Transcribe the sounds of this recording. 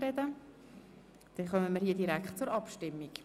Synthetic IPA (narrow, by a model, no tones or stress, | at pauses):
ɾɛdə | d̥ɛnχœməmiɾhiːədiɾækχtt͡sʊɾɑpʃtɪmːik